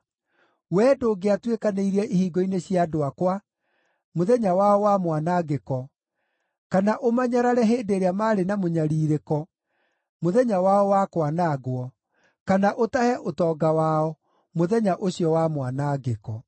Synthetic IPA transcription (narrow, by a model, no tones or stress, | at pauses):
wɛːdoːɡeatwekaneiɾɛʔihiːɡɔineɕjadoakwa | moðɛɲawaɔwamwanaɡekɔ | kanaʔomaɲaɾaɾɛɦeːndeɾeamaːɾenamoɲaɾiːɾekɔ | moðɛɲawaɔwakwanaɡoɔ | kanaʔotahɛʔotɔːɡawaɔ | moðɛɲaʔoɕjɔwamwanaːɡekɔ